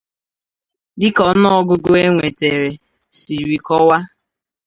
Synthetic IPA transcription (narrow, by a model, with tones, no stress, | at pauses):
dɪ˦kɔ˨˦nɔ˦ɡʊ˦ɡʊ˦e˦ŋʷe˨te˨ɾe˨ | si˨ɾi˨kɔ˦wa˦